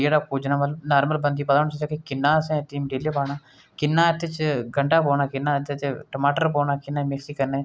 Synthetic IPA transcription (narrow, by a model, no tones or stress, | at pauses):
eːɽaːkoːd͡ʒnãːməlnaːɾməlbənd̪iːpət̪aːñsəd͡ʒaːkekɪnːaːsẽːt̪ːiːmɖileːpaːɽ̃aː | kɪnːãːɪt̪ːet͡ʃɡəɳʈaːpɔːnaːkɪnːãːt̪ːet̪eʈəmaːʈəɾpɔːnaːkɪnːaːmeksiːkəɾneː